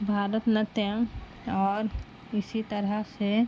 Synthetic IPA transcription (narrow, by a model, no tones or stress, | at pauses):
bʱaːɾət̪nət̪jã | ɔːɾ | ɪsit̪ɐɾəɦse